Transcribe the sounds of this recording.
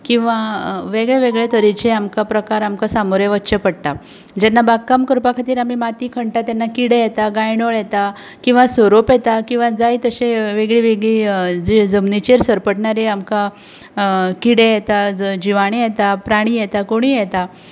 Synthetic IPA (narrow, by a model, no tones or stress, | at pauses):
kĩw̃ʋaʋeɡɭeʋeɡɭet̪əɾit͡ɕeamkapɾəkaɾamkasamoɾjẽʋətːɕəpəɽt̪a | d͡ʑɛnːabakːamkəɾpakʰat̪iːɾam̤imat̪iːkʰəɳʈat̪anːakiɽejɛt̪aɡajɳoɭjɛt̪a | kĩw̃ʋasoɾopjɛt̪akĩw̃ʋad͡zajt̪əɕeʋeɡɭiʋeɡɭiːd͡zd͡zəmnit͡ɕeɾsəɾpəʈɳaɾeamka | kiɽejɛt̪ad͡ʑiʋaɽ̃ejɛt̪apɾaɽ̃iːjɛt̪akoɽ̃iːjɛt̪a